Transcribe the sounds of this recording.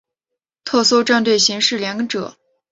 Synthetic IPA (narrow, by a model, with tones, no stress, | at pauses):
t̪ʰɤ˥˩so˥ʊʈ͡ʂa˥˧nt̪we˥˩ɪɕi˧˥ŋʂɻ̩˥˩ljɑ˧˥ŋ˧ʈ͡ʂɤ̰˨˩˦